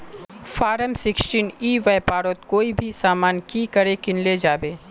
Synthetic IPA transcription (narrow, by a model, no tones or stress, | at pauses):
faːɾəmsɪksʈiːniːʋajpaːɾot̪koːibʱisaːmaːnkiːkɐɾekɪnled͡ʒaːbeː